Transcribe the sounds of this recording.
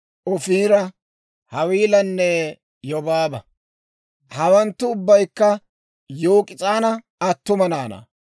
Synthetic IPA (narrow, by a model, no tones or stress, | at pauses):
ʔɔfiːɾɐ | hɐwiːlɐnːɛ | jɔbaːbɐ | hɐwɐnt̪ːʊːbːɐjkːɐ | joːkʼɪt͡sʼaːnɐ | ɐt̪ːʊmɐnaːnɐ̰